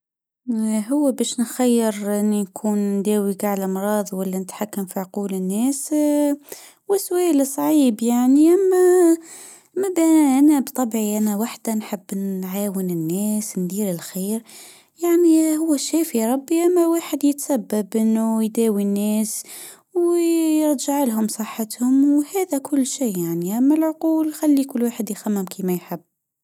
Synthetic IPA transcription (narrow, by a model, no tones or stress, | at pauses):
ɦʊwːæbæʃnxajːəɾʔɪnːinkʰuːnnd̪æːwiɡaʕlʔɑmɾˤɑːðˤwælːænət̪ħakːamfiʕquːlənːæːs | wəswæːlsˤʕiːbjaʕniʔæmːæ | mːæbæʔænæbt̪ˤːɑbʕiʔænæwaħd̪anħəbːnʕaːwənənːæːsnd̪iːɾəlxiːɾ | jaʕnihʊwːæʃæfiɾˤɑbːiʔæmːæwaːħəd̪jət̪sæbːabʔənːujd̪æwinːæːs | wjəɾˤʒaʕlɦʊmsˤəħːət̪hʊmwhæd̪ækʰʊlːʃiːjaʕniʔæmːælʕʊquːlxælːikʊlːwaħəd̪jxæmːɪmkʰimæjħəbː